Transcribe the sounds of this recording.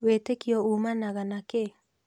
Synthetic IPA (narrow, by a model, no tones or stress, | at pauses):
wetekiɔumanaɣanake